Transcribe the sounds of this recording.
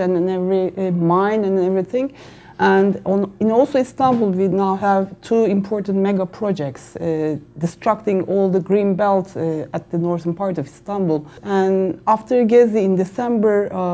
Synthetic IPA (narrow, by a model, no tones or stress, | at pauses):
æ̃ñnɛvɹimãɪ̃næ̃nɛvɹiθɪ̃ŋ | ʔæ̃nd̃nɪ̃nɔlˠsoist̪æ̃nbulˠwinawɦævtʰuɪ̃mpʰɔɹtn̩tmɛɡapʰɹɔd͡ʒɛk̚tsd̪ɪstʰɹak̚tɪ̃ŋɔlˠd̪əɡɹĩnbɛlˠtæt̪̚ðɨnɔɹðənpʰaɹtɔvɪst̪æ̃nbl̩ˠæ̃næftʰə˞ɡɛziɪ̃nd̪ɪsɛ̃mbə˞